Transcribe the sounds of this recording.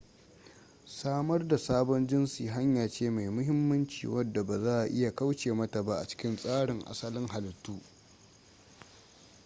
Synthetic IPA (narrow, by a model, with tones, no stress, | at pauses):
saː˦mɐ˦rda˨saː˦bɔ˦nd͡ʒɪ˦nsiː˨ɦa˦ɲjaː˨t͡ʃeː˦ma˨jmʊ˦ɦɪ˦mːɐ˦nt͡ʃḭː˨wɐ˦dːa˨ba˨zaː˦ʔa˨ʔɪ˦ja˨ka˦wt͡ʃeː˨mɐ˦ta˨ba˦ʔa̰˨t͡ʃɪ̥˦kʲɪ˦nsʼaː˦ɽɪ˨ŋʔa̰˨sɐ˦lɪ˦ŋɦa˨ltuː˦